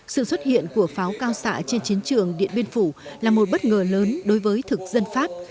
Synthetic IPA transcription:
sɨ̰˧˨swə˦˥t̚hḭ˧˨ənku˧˩əfaː˨˦wkaː˧wsa̰ː˧˨t͡ɕe˧nt͡ɕi˨˦ənt͡ɕɨ˨˩əŋɗḭ˧˨ənɓi˧ənfu˧˩laː˨˩mo˨˩t̚ɓə˦˥t̚ŋəː˨˩ləː˨˦nɗo˨˦jvəː˨˦jt̪ʰɨ˨˩k̚z̥ə˧nfaː˦˥p̚

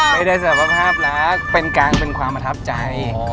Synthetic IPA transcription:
ba˧jdaː˥˩jsa˨˩a˧pʰaː˥˩p̚laː˦˥k̚pe˧nkaː˧ŋpe˧nkʰwaː˧mpɾa˧t̪ʰa˦˥p̚t͡ɕa˧j

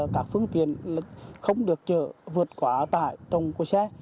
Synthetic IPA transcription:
kaː˦˥k̚fɨ˧əŋt̪ḭ˧˨ən˨xə˧wŋ͡mɗɨ˨˩ək̚t͡ɕəː˧˩vɨ˨˩ət̚kwaː˨˦t̪a̰ː˧˨jt̪ə˨˩wŋ͡mku˧˩sɛ˧˥

